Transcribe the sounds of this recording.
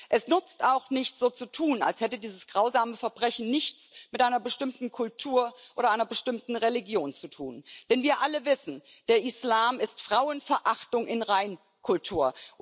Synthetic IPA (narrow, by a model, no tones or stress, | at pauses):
ʔɛsnʏt͡stʔaʊxnɪçt͡sz̥oːt͡sutʰuːna̰lshɛtədiːzəsɡ̥ʁaʊzaːməfɛɐbʁɛçn̩nɪçt͡smɪtʔaɪnɐbəʃtɪmtn̩kʰʊltʰuːɐʔoːɾɐʔaɪnɐbəʃtɪmtn̩ʁeliɡjoːnt͡sutʰṵːnd̥ɛnviːɐʔaləvɪsn̩d̥eːɐʔɪslaːmɪstfʁ̥aʊənfɛɐʔaχtʊŋʔɪnʁaɪn | kʰʊltʰuːɐ